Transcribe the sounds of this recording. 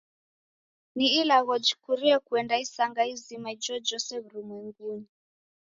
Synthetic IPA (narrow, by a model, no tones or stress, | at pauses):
niːlaɣɔd͡ʒikuɾiɛkuɛndaisaŋɡaizimaid͡ʒɔd͡ʒɔsɛβuɾumwɛŋɡuni